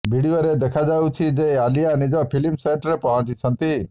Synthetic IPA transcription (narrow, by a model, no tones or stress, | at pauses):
bʱiɽioɾed̪ekʰad͡ʒawut͡ʃʰid͡ʒealijanid͡ʒɔpʰilimseʈɾepɔɦɔ̃t͡ʃit͡ʃʰɔnt̪i